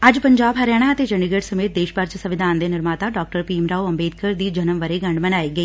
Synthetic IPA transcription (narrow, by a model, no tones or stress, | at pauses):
ɐd͡ʒpɐɲd͡ʒaːbɦɐɾɛːɽ̃aət̪ed͡ʒɐɳɖɪɡəʈsɐmeːt̪̚d̪eːʃbəɾt͡ʃsɐʋɪd̪ʱaːnd̪eːnɪɾmaːt̪aɖɔːk̚ʈəɾpiːmɾaːuɐmbeːd̪̚kəɾd̪iːd͡ʒɐnəmʋɐɾeɡɐ̃ɳɖmɐnaːiːɡɐeː